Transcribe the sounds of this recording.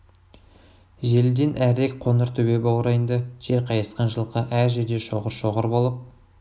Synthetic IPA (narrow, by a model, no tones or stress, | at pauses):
ʒe̞ld̪e̞nʔæɾek̚qʰo̞nəɾt̪ʰɵbe̞bɑwɾɑjənd̪ɑʒ̥e̞ɾqʰɑjɑsqɑnʒəlˠqɑʔæɾʒeɾd̪e̞ʃoʁəɾʃo̞ʁəɾbo̞lˠəp̚